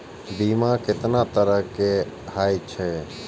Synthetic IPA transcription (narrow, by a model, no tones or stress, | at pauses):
biːmãːkɪt̪naːt̪əɾəkeː | haːit͡ʃʰɛː